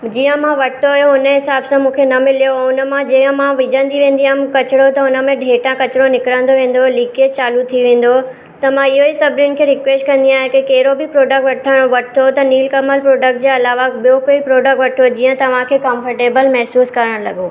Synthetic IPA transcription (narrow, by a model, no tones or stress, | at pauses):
d͡ʑiːjə̃mãʋɐʈt̪ʰojoʊnəɦɪsaːbsãmũːkʰenɐmɪlijoʊnə̆mãd͡ʑiːə̃mãʋɪd͡ʑə̃nd̪iʋẽːnd̪iamkɐt͡ɕɪɽot̪ɐʊnə̆mẽɖʱeːʈãkɐt͡ɕɪɽonɪkɾə̃nd̪oʋẽːn̆d̪oliːkeːt͡ɕaːlut̪ʰiʋẽːn̆d̪o | t̪ɐmãɪɦoɪsɐbʱɾjʊnɪ̆kʰeːɾɪkʋeːsʈkɐ̃nd̪iaːɦẽkekɐɦɪɾobɪpɾoːɖək̚ʈʋɐʈʰəɽ̃oʋɐʈʰɪt̪ʰot̪ɐniːlkɐməlpɾoːɖək̚ʈ̚d͡ʑeːɐlaːʋabijokoipɾoːɖək̚ʈʋɐʈʰod͡ʑiːə̃t̪ɐʋ̤ãkʰeːkɔ̃ːmfəɾʈeːbəlmɛɦsuːskɐɾəɽ̃lɐɠo